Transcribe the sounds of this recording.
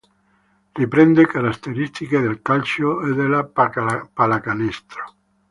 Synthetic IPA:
ripɾɛnd̪ekaɾat̪ːeɾist̪iked̪elkalt͡ʃoed̪elapalakanɛst̪ɾo̥

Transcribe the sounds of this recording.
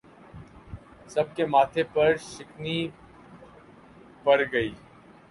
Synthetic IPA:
sɐb̚kemaːt̪ʰepɐɾʃɪkni | pɐɾɡɐiː

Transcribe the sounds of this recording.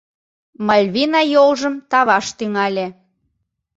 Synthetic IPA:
mɑlʲβinɑjolʒəmt̪ɑβɑʃt̪yŋælʲe

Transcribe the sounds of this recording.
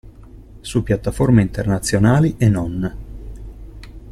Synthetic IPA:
supːjat̪ːaformeint̪ernat̪sːjonaːliʔenːon

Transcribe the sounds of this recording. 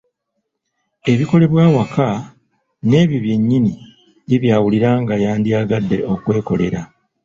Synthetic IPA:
e̞βiko̞le̞βwaːwaka | ne̞ːβjiβje̞ɲːini | iβjaːwuliɾaːŋɡajaːndiaːɡadːe̞o̞kwe̞ːko̞le̞ɾa

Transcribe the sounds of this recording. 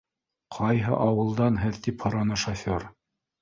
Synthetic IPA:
qʰɑjɦɤ̰ʔɑwɤ̆lˠd̪ɑnɦɘðt̪iphɤ̆ɾɑnɤʃɐfʲoɾ

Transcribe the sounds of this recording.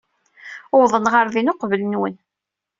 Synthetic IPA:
ʊwðˤənʁəɾðinoqvələnwən

